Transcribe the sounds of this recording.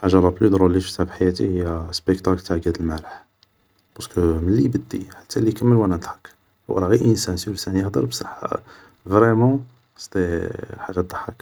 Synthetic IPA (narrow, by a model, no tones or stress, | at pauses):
ħaʒɑlˤɑplyd̪ɾolifət̪ːabħajæt̪ihəjːæspəkt̪aklt̪aʕɡæd̪əlmæɾəħ | b̥ɑskəməlːibəd̪ːiħḁt̪ʰːælikəmːəlwænænt̪ˤħɑ̥k | wʔɾˤɑɣiʔənsænsiwəlsænjəhd̪əɾbsˤɑħa̰ | vɾɛmɑ̃ | st̪ilħaʒːad̪ˤəħːək